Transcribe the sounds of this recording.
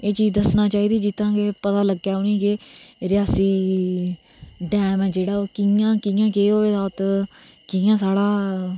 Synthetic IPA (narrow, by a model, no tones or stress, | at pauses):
eːt͡ʃiːzd̪əsnaːt͡ʃaːiːd̪iːd͡ʒɪt̪ːãːkeːpət̪aːləɡːjaːʊnĩːkeːɾɪjaːsiː | ɖɛːmɛ̃ːd͡ʒeːɽaːoːkɪjãːkɪjãːkeːoːeːd̪aːʊt̪ | kijãːsaːɽaː